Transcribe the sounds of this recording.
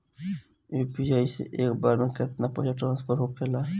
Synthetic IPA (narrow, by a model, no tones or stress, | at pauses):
eːpijaːisḛʔeːkbaɾmeket̪̚napəjaʈɾãːnspʰəɾɦoːkʰela